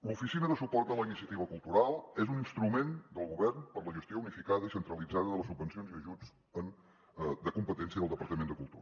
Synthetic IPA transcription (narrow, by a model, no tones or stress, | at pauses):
lufisinəðəsupɔrt̪̚d̪ələinisiət̪iβ̞əkulˠt̪uɾalˠezuninst̪ɾumend̪əlˠɣuβɛrnpəɾləʒəst̪jounifikaðəisənt̪ɾəlid͡zaðəðələsubbənsionziəʒud͡z | ən | d̪əkumpət̪ɛnsiəðəlˠd̪əpəɾt̪əmend̪əkulˠt̪ṵɾə